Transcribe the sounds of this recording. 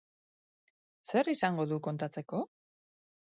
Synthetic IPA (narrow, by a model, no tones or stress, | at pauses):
se̞ɾisaŋɡo̞ðuko̞nt̪at͡se̞ko̞